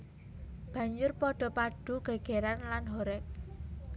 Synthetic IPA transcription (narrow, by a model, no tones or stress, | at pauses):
b̥ä̤ɲd͡ʒʊrpɔɖ̥ɔ̤paɖ̥ṳɡ̥a̤ɡ̥eɾanlanɦɔɾɛk̚